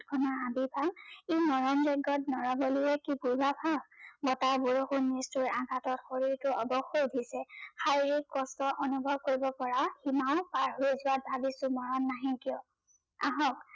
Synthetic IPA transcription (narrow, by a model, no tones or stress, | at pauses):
tkʰɔnaabibʱalemɔɹɔnzɛɡɔt̚nɔɹɔboliɛkipuɹbapʰabɔtaɹbuɹoxunːistuɹãɡʱatɔtxoɹiɹtʊɔbɔxodʱisɛxaɹiɹikːɔstɔʔɔnubʱɔb̚koɹibɔpɔɹahimaʊ̃paɹɦoezuwat̚bʱabisʊmɔɹɔnːaɦɛ̃kijɔ | a̰ɦɔk